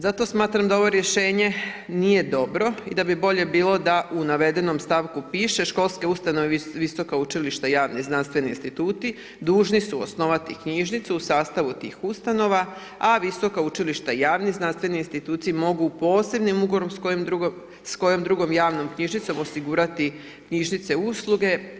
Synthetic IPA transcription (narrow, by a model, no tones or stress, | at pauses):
zat̪o̞smaːt̪ɾamd̪ao̞ʋo̞ɾje̞ʃe̞ːɲe̞nije̞d̪o̞bɾo̞ḭd̪abibo̞ʎe̞biːlo̞d̪aʔunaʋe̞d̪e̞no̞mst̪aʋkupiːʃe̞ʃko̞lˠske̞ust̪ano̞ʋeʋiso̞kaut͡ʃiliʃt̪ajaːʋniznanst̪ʋe̞niinst̪it̪uːt̪i | d̪uːʒnisuo̰sno̞ʋat̪ikɲiʒnit̪suusaːst̪aʋut̪iːxust̪ano̞ʋa | aʋiso̞kaut͡ʃiliʃt̪aijaːʋniznanst̪ʋe̞niinst̪it̪uːt̪siimo̞ɡupo̞ːse̞bnimuɡoɾomkomu | sko̞jo̞md̪ɾuɡo̞mjaːʋno̞mkɲiʒnit̪so̞mo̞siɡuɾat̪i | kɲiʒnit̪se̞uslˠuɡe̞